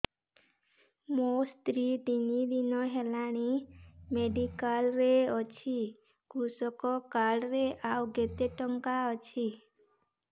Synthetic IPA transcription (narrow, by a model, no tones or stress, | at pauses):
most̪ɾid̪inid̪inɔɦelaɽ̃imeɖikalɾeɔt͡ʃʰi | ɡusɔkɔkaɽɾeʔawɡet̪eʈɔŋkaɔt͡ʃʰi